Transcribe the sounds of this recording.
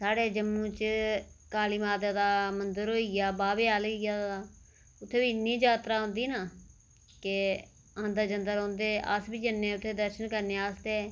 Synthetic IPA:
saːɽeːd͡ʒəmːũːt͡ʃkaːliːmaːd̪aːd̪aːmənd̪əɾɦoːijaːbaːʋeːaːlijaː | ʊt̪ʰːeːʋiːnːĩːd͡ʒaːt̪ɾaːɦõːnd̪iːnaː | kɪ | ãːnd̪əd͡ʒənd̪əɾɦõːnd̪eːʔə̰sbiːd͡ʒənːẽːʊt̪ʰːeːd̪əɾʃənkəɾneːaːst̪eː

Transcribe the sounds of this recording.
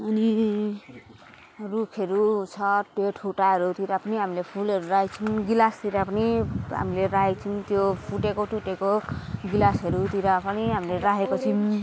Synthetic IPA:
ʌni | ɾukʰʌɾut͡sʰʌʈeʈʰuʈaɦʌɾut̪iɾapʌniɦamilepʰulɦʌɾuɾaet͡sʰinɡilast̪iɾapʌniɦa̰mileɾaɦekt͡sʰint̪jopʰuʈekoʈuʈekoɡilasɦʌɾut̪iɾapʌniɦamileɾaɦekot͡sʰin

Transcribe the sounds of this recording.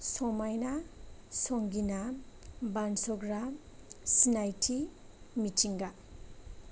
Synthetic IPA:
sɔmajnasɔŋɡinabansɔɡɾa | sinajtʰi | mitʰiŋɡa

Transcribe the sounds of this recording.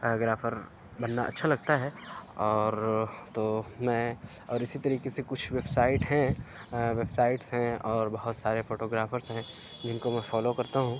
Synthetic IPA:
ɡɾaːfəɾ | bɐnːaʔɐ̰tːʃʰalɐɡt̪aɦɛɔːɾt̪omɛ̃ | ɔːɾɪsit̪ɐɾiːkesekʊt͡ʃʰʋebsaːɪʈɦɛ̃ | ʋebsaːɪʈsɦɛ̃ɔːɾbɐɦʊt̪saːɾefoːʈoːɡɾaːfəɾsɦɛ̃ | d͡ʒɪnkomɛ̃fɔːlokɐɾt̪aɦũː

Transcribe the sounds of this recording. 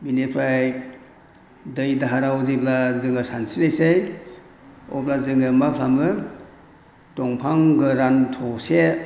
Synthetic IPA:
binepʰɾaj | dɯjdaɦaɾawziplazɯŋɯsansilajsaj | ɔ̰plazɯŋɯmapʰlamɯ | tɔŋpʰaŋɡɯɾantʰɔse

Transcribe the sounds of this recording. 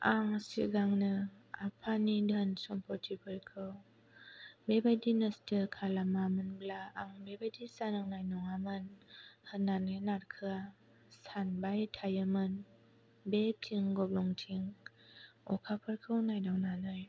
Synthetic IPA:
aŋsiɡaŋnɯapʰanidənsɔmpʰɔɾtʰipʰɯɾkʰɯw | bebajdinɯstʰɯkʰalamamɯnblaːŋbebajdisanaŋnajnɔŋamɯnhɯnːanɯnaɾkʰɯa | sanbajtʰajɯmɯn | betʰiŋɡɔblɔŋtʰiŋ | ɔ̰kʰapʰɯɾkʰɯwnajdawnanɯj

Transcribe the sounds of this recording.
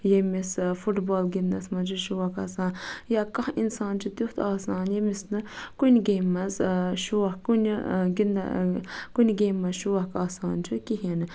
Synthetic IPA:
jemisfuʈboːlɡind̪ɐsmɐnt͡ʃʰiʃuʋɐkaːsaːnjaːkɐhinsaːnt͡ʃʰut̪uht̪ʰaːsaːnjemisnɨkunʲɡeːmːɐzʃuʋɐkunʲɡind̪ɐ̰kunʲɡeːmːɐzʃuʋɐɦkaːsaːnt͡ʃʰukiɦinɨ

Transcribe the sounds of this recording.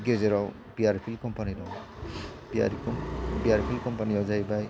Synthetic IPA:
ɡezeɾaw | biaɾpʰilkɔmpanidɔw | bia̰ɾikɔbiaɾpʰilkɔmpaniɔzajbaj

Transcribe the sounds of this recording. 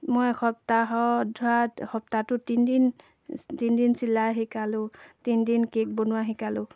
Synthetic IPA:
mojxʰɔp̚taɦɔdʱuatxɔp̚tatʊtindin | tindinsilaɦikalʊtindinkek̚bonʊwaɦikalʊ

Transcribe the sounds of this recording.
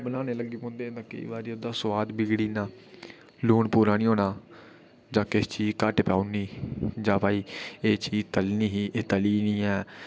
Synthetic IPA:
bəlãːneːləɡiːpõːnd̪ẽːt̪ãːkə̰ḭːʋaːɾiːod̪aːsʋaːd̪bɪɡɽiːnãː | luːɳpuːɾaːnĩːɦoːnaː | d͡ʒãːkɪst͡ʃiːkəʈpaːuniːd͡ʒãːpaːiːeːt͡ʃiːt̪əlniːɦiːʔeːt̪əliːnĩːɛː

